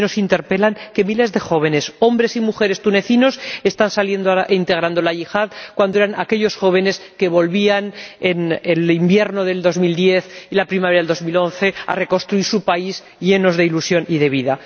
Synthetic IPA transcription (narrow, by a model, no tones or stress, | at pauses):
no̞sint̪e̞ɾpe̞laŋke̞mile̞zðe̞xo̞β̞e̞ne̞so̞mbɾe̞simuxe̞ɾe̞st̪uneθino̞se̞st̪ansalje̞nd̪oaʔint̪e̞ɣ̞ɾand̪olaʝixaðkwand̪oeɾanake̞ʎo̞sxo̞β̞e̞ne̞ske̞βo̞lβianenelimbje̞ɾno̞ðe̞ld̪o̞zmild̪je̞θilapɾimaβeɾðeld̪ozmilo̞n̟θe̞a̰re̞konst̪ɾuiɾsupaiz | ʝe̞no̞zðeilusjo̞niðe̞β̞iða